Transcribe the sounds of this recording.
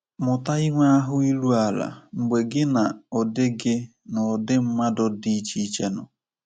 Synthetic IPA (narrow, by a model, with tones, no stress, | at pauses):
mʊ˨ta˦i˦ŋʷa˦a˦ɦʊ˦i˦lu˦a˨la̰˨ŋ͡m̩˨ɡ͡be˨ɡɪ˦na˨ɔ˨dɪ˦ɡɪ˦ | nɔ˨dɪ˦m̩˦ma˦dʊ˦di˦t͡ʃi˦t͡ʃe˦nʊ̰˨